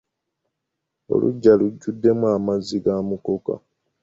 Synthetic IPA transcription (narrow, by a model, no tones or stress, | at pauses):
o̰lṵɟːaluɟːudːe̞muaːmaziɡaːmuko̞ka̰